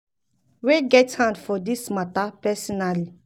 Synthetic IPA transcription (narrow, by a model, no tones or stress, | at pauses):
weɡɛthãndfɔdismatapɛsɔnali